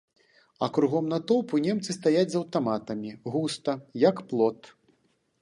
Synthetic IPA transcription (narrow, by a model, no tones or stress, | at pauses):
ɐ̰kɾuɣɔmnɐt̪ɔpunʲɛmt̪sɨst̪ajad͡zʲzɐwt̪amat̪ɐmʲiɣust̪ɐjɐkplˠɔt̪